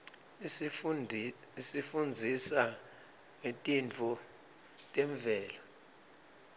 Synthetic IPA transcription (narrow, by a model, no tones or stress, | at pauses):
isifund͡zʱisa | ŋetʼint͡fʰɔ | tʼeɱvʱɛːla